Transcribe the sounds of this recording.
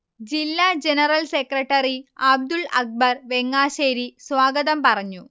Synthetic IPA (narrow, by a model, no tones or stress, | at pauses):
d͡ʑilːaːd͡ʑenɐrɐlsekrɐʈːɐriɐb̚d̪uɭɐk̚bɐrʋe̞ŋːaːɕeːɾiswaːɡɐðɐmpɐrɐɲːu